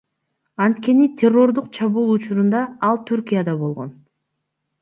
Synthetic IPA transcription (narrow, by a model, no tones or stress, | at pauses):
ɑnt̪ke̞nit̪ʲʰe̞rːo̞ɾd̪uqt͡ʃʰɑβuːlˠut͡ʃuɾund̪ɑːlˠt̪ʰyɾkijad̪ɑβo̞lˠʁo̞̰n